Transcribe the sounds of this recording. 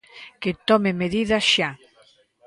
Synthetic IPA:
ket̪ɔmemeðiðɐʃa

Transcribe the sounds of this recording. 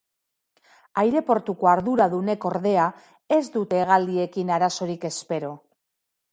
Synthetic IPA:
ajɾe̞po̞ɾt̪uko̞aɾðuɾaðune̞ko̞ɾðe̞a | e̞zd̪ut̪e̞ɣ̞ald̪ie̞kinaɾaso̞ɾike̞spe̞ɾo̞

